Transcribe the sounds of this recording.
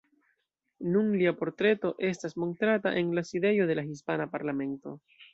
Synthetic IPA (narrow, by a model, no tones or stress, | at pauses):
nuŋliapo̞ɾt̪ɾe̞t̪o̞ʔe̞stasmo̞nt̪ɾata̰ʔe̞ŋlaside̞jo̞ðe̞laxis̬panapaɾlame̞nto̞̰